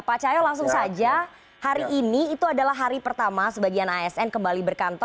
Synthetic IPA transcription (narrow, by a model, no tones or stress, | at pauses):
pat͡ʃajɔlaŋs̬ʊŋsad͡ʒa | haɾiʔːniːt̪uadalaɦːaɾipərt̪amasəbaɡianaɛsɛnkəmbalibərkant̪ɔ